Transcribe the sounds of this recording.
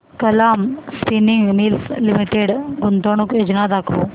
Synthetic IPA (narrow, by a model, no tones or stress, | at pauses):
kəlamspiniŋɡmiːlslimiʈeɽɡunt̪oɽ̃uked͡ʑnad̪akʰo